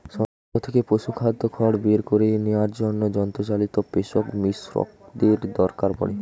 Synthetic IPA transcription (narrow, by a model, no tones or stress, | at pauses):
ʃɔ | ot̪ʰekepoʃukʰad̪okʰɔɽbeɾkoɾenewaɾd͡ʑonːod͡ʒɔnt̪ɔt͡ɕalit̪opeʃokmisɾɔ̰k̚d̪eɾd̪ɔɾkaɾpɔ̰ɽi